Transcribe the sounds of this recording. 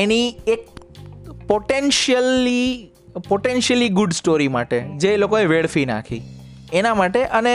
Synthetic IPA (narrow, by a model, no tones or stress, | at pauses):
eniek̚ | poʈenʃəli | poʈenʃəliɡʊɖsʈoɾimaʈḛd͡ʒelokoeʋeɭfina̰kʰḭ | enamaʈeʔəne